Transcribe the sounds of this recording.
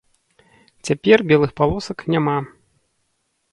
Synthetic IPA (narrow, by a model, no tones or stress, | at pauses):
t͡sʲapʲɛrbʲɛlˠɨxpalˠɔsɐknʲama